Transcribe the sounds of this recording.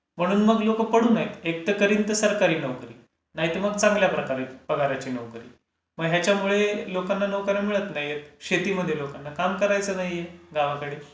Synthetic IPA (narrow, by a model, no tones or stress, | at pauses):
m̤əɽ̃uːnməɡlokəpəɽ̤uːnaɦit̪ek̚t̪əkəɾiːnt̪əsəɾkaɾiːnəʋkəɾḭː | naɦit̪əməɡt͡sãŋɡljapɾəkaɾeb̥əɡaɾjat͡ɕiːnəʋkəɾḭː | məɡɦjat͡ɕjamuɭelokanːanəʋkəɾəmiɭət̪naɦijjet̪ɕet̪iːməd̪ʱːjelokanːakamkəɾajt͡sənaɦijeɡaʋakəɽe